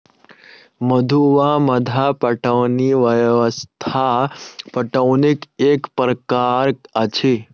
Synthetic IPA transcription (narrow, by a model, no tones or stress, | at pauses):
məd̪ʱuʋaməd̪ʱapəʈəʋniʋəjʋəst̪ʰapəʈəʋnikekpɾəkaɾət͡ʃʰe